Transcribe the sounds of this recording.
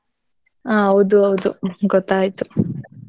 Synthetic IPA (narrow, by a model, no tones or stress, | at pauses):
aːɐʋud̪uɐʋud̪uɡɔt̪ːaːjit̪u